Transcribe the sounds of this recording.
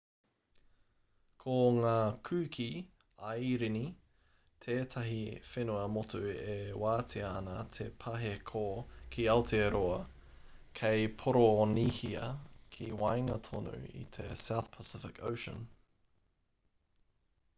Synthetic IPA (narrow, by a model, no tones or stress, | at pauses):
kʰoŋaːkʰʉːkʰi | ɐjɾini | t̪ʰeːt̪ʰɐɦifenuɐmotuewaːtʰiɐːnɐt̪ʰepʰɐɦekʰokʰiɐwtʰeɾoɐ | kʰejpʰoɾonihiɐ̰kʰiwajŋɐt̪ʰo̰nʉ̰ḭt̪ʰḛsawθpʰəsɪfɪkʰo̰wʃə̰̃n